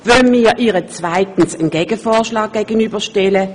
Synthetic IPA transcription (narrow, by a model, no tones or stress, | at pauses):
vœlmiːʔiːʁət͡svaɪtn̩sənɡ̥ɛːɡ̥əfɔːɐʃlɑːɡ̥̚ɡ̥eːɡənyːbɐʃtɛlə